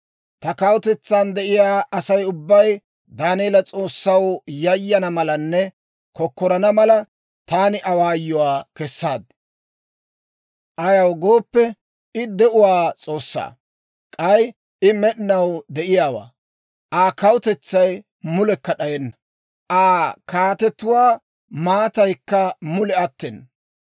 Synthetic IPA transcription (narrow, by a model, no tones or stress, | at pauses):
t̪ɐkɐwʊt̪ɛt͡sːand̪ɛʔɪjaːɐsɐjʊbːɐj | d̪aːneːlɐt͡sʼo̞ːsːɐwjɐjːɐnɐmɐlɐnːɛ | kɔkːɔɾɐnɐmɐlɐ | t̪aːnɪʔɐwaːjːɔwaːkɛsːaːd̪ | ʔɐjɐwɡo̞ːpːɛ | ɪd̪ɛʔʊwaːt͡sʼo̞ːsːa̰ː | kʼɐj | ɪmɛɗɪnɐwd̪ɛʔɪjaːwa̰ː | ʔaːkɐwʊt̪ɛt͡sːɐj | mʊlɛkːɐɗɐjɛnːɐ | ʔaːkaːt̪ɛt̪ːʊwaː | maːt̪ɐjkːɐmʊlɛɐt̪ːɛn